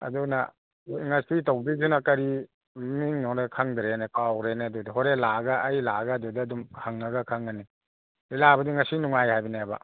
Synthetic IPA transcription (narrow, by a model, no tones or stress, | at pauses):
ɐ̰duna̰ | ŋasitawbizunakɐɾi | miŋnɔnakʰaŋdɾenekawɾenedudiɦɔɾelaɡaʔːjlaɡaːdudiɐdumhaŋnɐɡɐkʰaŋane | ilabɐdiŋasinuŋajhajbinaba̰